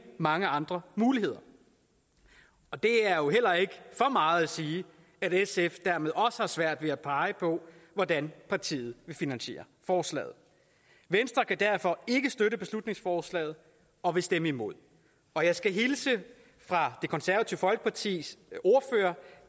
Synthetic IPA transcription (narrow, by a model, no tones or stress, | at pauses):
mɑ̈ŋəɑ̈nd̥ʁɐmuːlihe̝ð̞̰ˠɐ | ɒ̽d̥e̝æɐjo̝ɦel̰ɐe̝ɡ̥əfɒ̽mɑ̈ːð̞̩ˠæsiː | æɾesefd̥æɐme̝ð̞ˠɒ̽səhɑ̈sʋæɐ̰d̥ʋe̝æpʰɑ̈ɪəpʰɒ̽ʋɒdænpʰɑ̈t͡sʰḭːð̞̩ˠʋe̝finænɕe̝̰ːɐ | fɒːslɛ̰ːð̞̩ˠ | ʋensd̥ʁɐkʰæd̥æɐ̰fɒ̽e̝ɡ̥əsd̥øɾəb̥e̝slud̥ne̝ŋsfɒːslɛ̰ːð̞̩ˠ | ɒ̽ʋe̝sd̥eməimo̝ð̞̰ˠ | ɒ̽jɑ̈ɪsɡ̥æɦilsə | fʁɑ̈d̥e̝kʰɒ̽nsæɐʋæt͡sʰḭʊfɒ̽lɡ̥ə̥pʰɑ̈t͡sʰḭːso̝ɐføːɐ